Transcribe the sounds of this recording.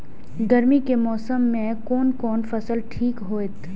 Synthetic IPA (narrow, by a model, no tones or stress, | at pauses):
ɡɐɾmikemɔːsəmːẽkɔːnkɔːnfɐsəlʈʰiːkɦoːet̪ʰ